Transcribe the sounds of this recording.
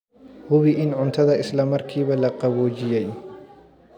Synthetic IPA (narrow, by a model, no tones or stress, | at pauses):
hʊwiʔɪnʕʊnt̪ʰɐðɐɪslɐmɐrkʰiːβɐlɐqɐβɔːd͡ʒɪjɛj